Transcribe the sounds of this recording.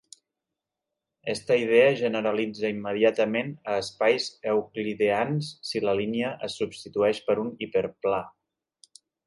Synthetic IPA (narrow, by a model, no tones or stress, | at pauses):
ɛst̪əiðeəʒənəɾəlid͡zəimːəðiat̪əmenəːspajzəwkliðeansːiləliniəʔəsːubst̪it̪uɛʃpəɾunipəɾpla